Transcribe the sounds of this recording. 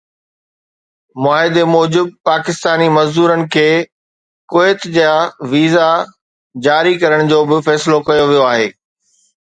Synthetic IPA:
mʊaːɦɪd̪emɔːd͡ʑɪb̚paːkɪst̪aːnimɐzd̪uːɾənɪ̆kʰeː | koːɪt̪d͡ʑjaʋiːza | d͡ʑaːɾikɐɾəɽ̃d͡ʑoːbɪfɛːsɪlokɐjoʋijoaːɦeː

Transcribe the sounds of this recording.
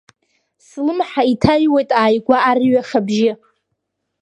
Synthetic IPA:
slɨmħaitʰajwe̞jtʼaːjɡʷaːrɥaχʲabʒɪ

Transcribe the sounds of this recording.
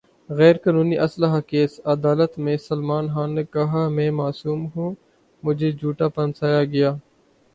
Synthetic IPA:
ɣɛːɾkaːnuːniʔɐsləɦakeːsɐd̪aːlət̪mẽsɐlmaːnɦaːnːeːkɐɦaːmɛ̃ːmaːsuːmɦũː | mʊd͡ʒʱed͡ʒuːʈapɐnsaːjaɡɐjaː

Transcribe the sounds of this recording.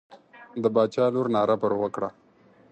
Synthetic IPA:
d̪əbɑːt͡ʃɑluɾnɑɾapəɾowəkɽa

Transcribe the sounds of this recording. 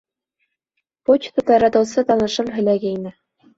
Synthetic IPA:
pot͡ɕt̪ŏt̪ɑɾɑt̪ɤ̆wsɤt̪ɑnɤ̆ʃɤpɦɘ̆læɡæinɘ

